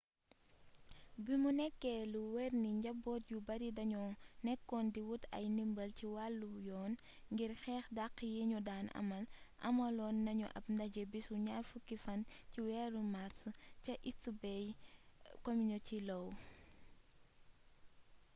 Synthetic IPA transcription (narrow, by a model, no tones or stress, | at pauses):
bimunɛkːɛluwɛrniɲɟɐbɔːt̚jubɐɾidɐɲɔnɛkːɔndiwutɐ̰jnimbɐlciwalːujɔːn | ŋɡirxɛːxdaqːjiɲudaːnɐ̰mɐlʔɐ̰mɐlɔːnːɐɲuʔɐ̰p̚ndɐɟebisuɲaːrfukːifɐnciwɛːɾumasucɐʔistːubɛj | kɔmiɲɔcilɔw